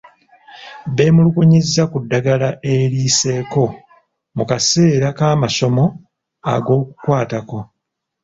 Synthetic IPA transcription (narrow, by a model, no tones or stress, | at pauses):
βe̞ːmulukuɲizːakudːaɡalaʔe̞ɾiːse̞ːko̞ | mukase̞ːɾakaːmaso̞mo̞ | a̰ɡo̞ːku̥kwaːtako̞